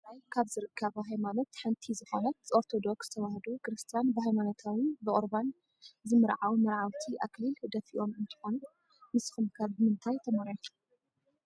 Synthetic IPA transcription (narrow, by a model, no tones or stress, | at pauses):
ajkʰaβzɨɾɨkʰːɐβɐɦajmano̞t̪ħɨnt̪ʰizɨxonɐt̪oɾt̪ʰo̞d̪oksɨt̪ʰɐwahd̪ukɨɾɨst̪ʰijanbɨhajmanot̪ʰawɨnbɨʔʼoɾban | zɨmɨɾʕawmɐɾʕawt̪ʰiʔaklild̪ɐfiʔo̞mɨnt̪ʰɨ̥ħonu | nɨsxɨmkʰɐbɨmɨnt̪ʰajt̪ʰɐmɐɾjo